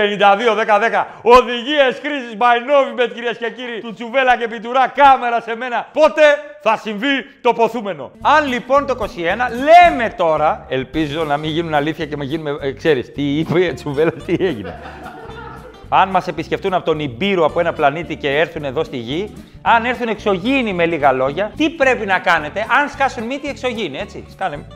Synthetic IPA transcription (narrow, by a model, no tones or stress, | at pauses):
pe̞nind̪ɐðio̞ðe̞kɐðe̞kɐ | o̞ðiʝieskɾisizmɐjno̞vimet̪ciɾiesce̞ciɾit̪ut͡suve̞lɐce̞pit̪uɾɐkɐme̞ɾɐse̞me̞nɐpo̞t̪e̞θɐsiɱvit̪o̞po̞θume̞no̞̰ɐnlipo̞nt̪oiko̞sie̞nɐle̞me̞t̪o̞ɾɐe̞lpizo̞nɐmiʝinunɐliθçɐcemɐʝinumekse̞ɾist̪iipoet͡suvelɐst̪ieʝine̞̰ | ɐnmɐse̞pisce̞ft̪unɐpot̪o̞nibiɾoɐpoe̞nɐplɐnit̪ice̞e̞ɾθune̞ðo̞st̪iʝi | ɐne̞ɾθune̞kso̞ʝinime̞liɣɐlo̞ʝɐt̪ipɾe̞pinɐkɐne̞t̪e̞ʔɐnskɐsunmit̪ie̞kso̞ʝinie̞t͡sḭskɐnem